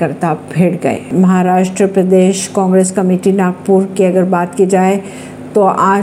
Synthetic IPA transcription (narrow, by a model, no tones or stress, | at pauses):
kɐɾt̪abʱeːɽɡɐ̰ḛmɐɦaɾaːʃʈɾəpɾɐd̪eːʃkãːŋɡɾeːskɐmeːʈinaːɡ̚puːɾkiɐɡəɾbaːt̪kid͡ʒaːe | t̪oʔaː